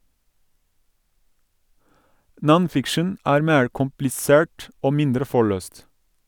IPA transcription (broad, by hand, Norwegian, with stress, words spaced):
ˈnɔnˌfɪkʃən ˈæːɾ ˈmeːɹ kʊmplɪˈseːɹʈ ˈoː ˈmɪndɾə ˈfɔɭøːst